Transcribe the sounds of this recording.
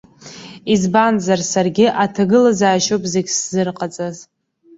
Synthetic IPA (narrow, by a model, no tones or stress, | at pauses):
izbanzarsarɡʲɪʔatʰaɡɨlazaːʃowpʼzeɡʲszɨrqʼat͡sʼaz